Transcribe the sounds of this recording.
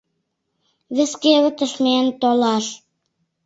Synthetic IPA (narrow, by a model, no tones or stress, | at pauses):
βeskeβə̆t̪ə̆ʃment̪olɑʃ